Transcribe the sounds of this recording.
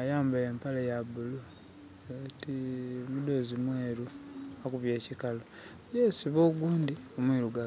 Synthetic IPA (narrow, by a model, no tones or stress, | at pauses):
ajaːmbaempalajabulu | etimudo̞zimweːɾuakuβje̞ːcikalo | jesiβoːɡuːndi | omwiɾuɡa